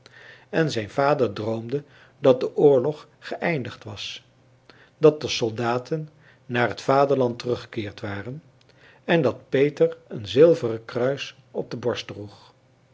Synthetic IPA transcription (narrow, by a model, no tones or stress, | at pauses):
ɛnzɛjnvaːdəɹdrowmdə | dɑt̚dəʔʊːɹlɔχ | χəʔɛjndəχtʋɑs | dɑt̚dəsɔlˠdaːtʰənː | aːɹɦətfaːdəɹlɑntərɵχə̥kɪːɹtʋaːrən | ɛndɑt̚pejtəɹənzɪlˠvərəkrœɥs | ɔb̚dəbɔɹstdruχ